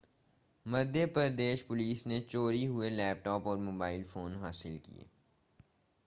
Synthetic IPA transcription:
mɐɾd̪ʱjəpəɾd̪eːʃpʊliːsnet͡ʃoːɾiɦʊelɛːp̚ʈɔːpɔːɾmoːbaːɪlfoːnɦaːsɪlkḭḛː

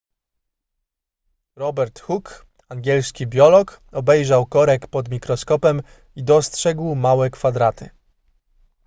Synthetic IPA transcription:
ɾɔbɛɾt̪xuk | aŋɡʲɛlskʲibʲjɔlɔkɔbɛjʐawkɔɾɛkpɔd̪mʲikɾɔskɔpɛm | id̪ɔstʂɛɡwmawɛkfad̪ɾat̪ʰɘ̰

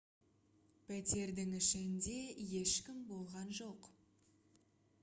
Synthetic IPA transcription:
pʰæt̪e̞ɾd̪ɪŋɪʃɪnd̪e̞je̞ʃkʲɪmbo̞lˠʁɑnʒo̞q

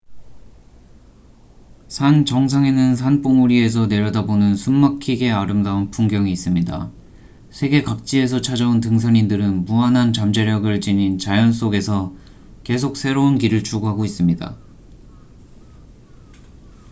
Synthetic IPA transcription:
sʰant͡ɕʌŋs̬ʰaŋenɯnsʰanp͈oŋuɾie̞s̬ʰʌne̞ɾjʌdabonɯnsʰummakʰiɡe̞aɾɯmdaunpʰuŋɡjʌŋiːs͈ɯmɲida̰ | sʰeɡe̞kak̚t͡ɕ͈ie̞s̬ʰʌt͡ɕʰad͡ʑauntɯŋs̬ʰaɲindɯɾɯnmuanɦant͡ɕamd͡ʑeɾjʌɡɯɭt͡ɕiɲint͡ɕajʌns̬͈oɡe̞sʰʌ | ke̞s̬ʰok̚sʰe̞ɾounkiɾɯɭt͡ɕuɡoɦaɡois͈ɯmɲida̰

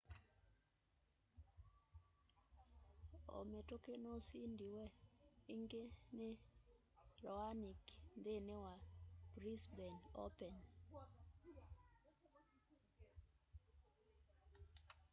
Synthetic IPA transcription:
o̰metokenosindiwɛiŋɡenɪ | ɾɔaniknd̪enɪwab̥ɾisbɛno̰pɛn

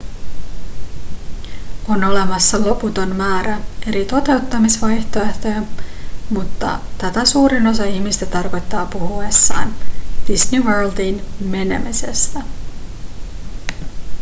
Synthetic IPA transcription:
o̞no̞le̞mɑsːɑlo̞put̪o̞nmæːɾæe̞ɾit̪o̞t̪e̞wt̪ːɑmisʋɑjçt̪o̞e̞ht̪o̞jɑmut̪ːɑ̰t̪æt̪æsuːɾino̞sɑiçmist̪æt̪ɑrko̞jt̪ːɑːpuhuesːɑ̰ːnd̥isniʋøːld̪iːnme̞ne̞̰mise̞̰st̪æ

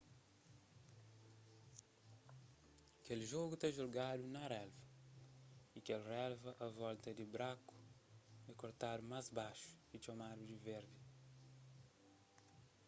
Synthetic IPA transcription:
ɐkelʒoɣut̪ẽʒuɾɡad̪unɐɾɛlvɐ | ikelrɛlvɐʔɐvɔlt̪ɐd̪ɪbɾaku̥dɐkoɾt̪aɾumazbaʃu̥it͡ʃɐmaɾud̪ivɛɾd̪ɪ

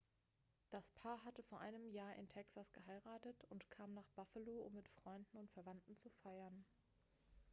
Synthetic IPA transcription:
d̥aspʰaːɐɦatəfoːɐʔaɪnəmjaːɐʔɪ̰ntʰɛksasɡ̥əɦaɪʁaːtətʊntkʰaːmnaːχb̥afəloːʊmːɪtfʁ̥ɔʏndn̩ʊntfɛɐvantn̩t͡sufaɪɐn

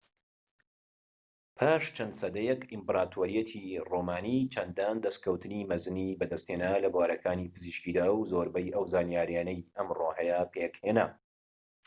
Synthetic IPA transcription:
pʰaːʃt͡ʃʰɐnd̪sɐd̪ɐjɛkʔimpɾaːt̪ʰoːɾijɛt̪ʰiromaːnit͡ʃʰɐnd̪aːnd̪ɐskʰɐwt̪ʰɨnimɐzɨnibɐd̪ɐst̪henalɐbwaːɾɐkʰaːniːpʰɨziʃkiːd̪awzoɾbɐjɐwzaːnjaːɾjaːnɐjɐmrohɛjɐpʰeːkhena

